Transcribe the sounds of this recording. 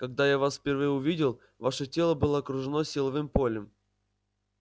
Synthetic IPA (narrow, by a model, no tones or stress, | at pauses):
kɐɡd̪ajavasfʲpʲɪrvɨjəʊvʲidʲɪlˠ | vaʂətʲelˠəbɨlˠəɐkɾʊʐɨnosʲilˠɐvɨmpolʲəm